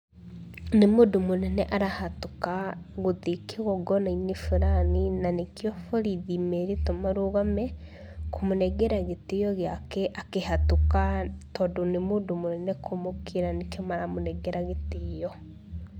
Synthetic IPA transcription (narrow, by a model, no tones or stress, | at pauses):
nemudumunɛnɛʔaɾahatukaɣoðikeɣɔɡɔnainifuɾaninanekiɔfoɾiðimɛɾitomaɾuɣamɛ | komunɛɡɛɾaɣetijɔɣeakɛʔakehatukatɔdunemudumunɛnɛkʰomokʰiɾanekiɔmaɾamunɛɡɛɾaɣetijɔ